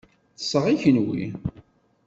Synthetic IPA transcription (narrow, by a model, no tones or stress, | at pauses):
θə̥sːəʁiçənwḭ